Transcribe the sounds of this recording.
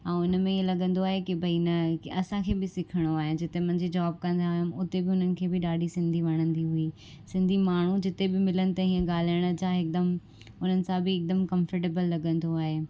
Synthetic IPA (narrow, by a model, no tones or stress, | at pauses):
ãːʊnmẽielɐɠə̃nd̪oaːɦekɪbʱɐinɐɐsãkʰeːbɪsɪkʰəɽ̃oaːɦɪd͡ʑɪt̪emɐ̃ɦɪ̃ɲd͡ʑed͡ʑaːb̚kɐ̃nd̪aːʊɦjʊmʊt̪ebɪʊn̤ənɪ̆kʰeːbɪɗaːɖʱisɪ̃nd̪ʱiʋɐɽ̃ə̃nd̪iɦuiː | sɪ̃nd̪ʱimaːɳ̤ud͡ʑɪt̪ebɪmɪlənɪ̆t̪ɐɦiːə̃ɠaːl̤ajəɽ̃ə̆d͡ʑãɪk̚d̪əm | ʊn̤ənɪ̆sãbɪːk̚d̪əmkɐ̃mfəɾʈ̬eːbəlːɐɠə̃nd̪oaːɦeː